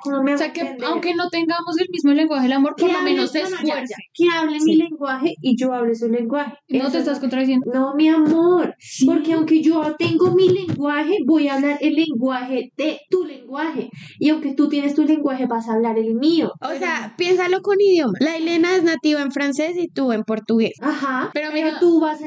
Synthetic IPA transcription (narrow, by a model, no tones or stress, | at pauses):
nomeaseakeend̪awŋkenot̪eŋɡamos̬elmizmoleŋɡwaxeelamo̞ɾpkeoaenosenakeɾakeaβlemile̞ŋɡwaxe̞ʔid͡ʒo̞aβles̬ule̞ŋɡwaxenot̪est̪askont̪ɾaðis̬end̪nomiamoɾpo̞ɾkeawŋke̞d͡ʒo̞t̪e̞ŋɡo̞mile̞ŋɡwaxe̞bo̞jaβlaɾelːe̞ŋɡwahedet̪ule̞ŋɡwaxe̞ | iawŋke̞t̪ut̪jenest̪ule̞ŋɡwaxe̞basaβlaɾelmiooseapje̞nsalo̞ko̞niðjo̞malaile̞naeznat̪iβaeɱfɾanse̞sit̪ue̞mpo̞ɾt̪uɣesahapeɾoot̪uβasa